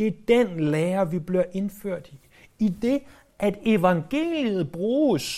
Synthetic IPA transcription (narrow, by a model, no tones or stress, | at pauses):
e̝æd̥enlɛːɐʋib̥liɐʔe̝nføɐ̰d̥i | id̥e̝ | ʔæd̥e̝ʋɑ̈ŋɡ̥e̝̰ːlð̞̩ˠb̥ʁuːs